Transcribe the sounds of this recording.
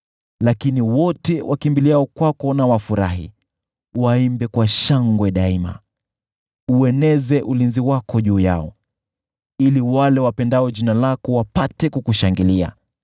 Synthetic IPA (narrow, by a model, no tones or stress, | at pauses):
lakiniwɔtɛwʔakimbiliaɔkwakɔnawafuɾaɦḭ | waimbɛkwaʃaŋɡwɛɗaima̰ | uɛnɛzɛʔulinziwakɔʄuːja̰ɔ | iliwalɛwapɛndaɔʄinalakɔwapatɛkukuʃaŋɡilia̰